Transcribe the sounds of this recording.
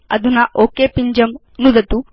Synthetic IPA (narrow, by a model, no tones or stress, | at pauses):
ɐ̰d̪ʱunɐʔoːkepiɲd͡ʒɐm | nud̪ɐt̪u